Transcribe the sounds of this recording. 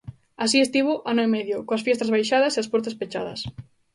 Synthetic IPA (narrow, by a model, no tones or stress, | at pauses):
asiest̪iβoʔanʊimɛðjʊkoasfjɛst̪azβajʃaðɐseaspɔɾt̪ɐspet͡ʃa̰ðɐ̰s